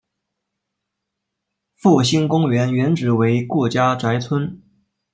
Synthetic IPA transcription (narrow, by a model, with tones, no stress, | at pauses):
fu˥˩ɕi˥nkʊ˥ŋɥɛ˧˥nɥɛ˧˥nʈ͡ʂɻ̩˨˧˥we˧˥ɪku˥˩t͡ɕja˥ʈ͡ʂa˧˥ɪt͡sʰwə˥n